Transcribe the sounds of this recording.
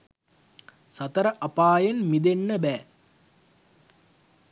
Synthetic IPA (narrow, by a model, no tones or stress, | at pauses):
sɐt̪əɾəʔɐpaːjenmid̪enːəbæː